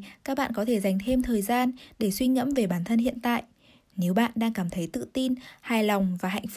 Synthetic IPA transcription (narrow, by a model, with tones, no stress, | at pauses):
kaː˦˥k̚ɓa̰ː˧˨nkɔ˨˦t̪ʰe˧˩za˨˩jŋ̟t̪ʰe˧mt̪ʰəː˨˩jzaː˧nɗe˧˩swi˧ɲə̰˧˥mve˨˩ɓaː˧˩nt̪ʰə˧nhḭ˧˨ənt̪a̰ː˧˨jʔ | ne˨˦wɓa̰ː˧˨nɗaː˧ŋkaː˧˩mt̪ʰə˨˦jt̪ɨ̰˧˨t̪i˧nhaː˨˩jla˨˩wŋ͡mvaː˨˩ɦa̰˧˨jŋ̟f